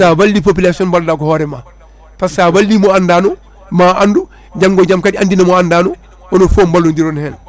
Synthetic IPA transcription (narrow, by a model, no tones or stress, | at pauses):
saːbalːip̬op̬ilasioːnbaldaːɡɔhɔɾɛma | passaːbalːimoandaːno | maːʔandu | ɟaŋɡoɟamkadandinamoandaːno | onofoːmbalːundiɾonhɛːl